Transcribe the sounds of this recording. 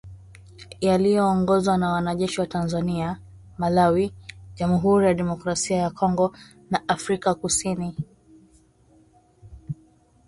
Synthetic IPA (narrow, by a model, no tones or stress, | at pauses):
jalijɔːŋɡɔzwanawanaʄɛʃiwatanzania | malawiʄamuɦuɾijaɗɛmɔkɾasiajakʰɔŋɡɔ | naʔafɾikakusini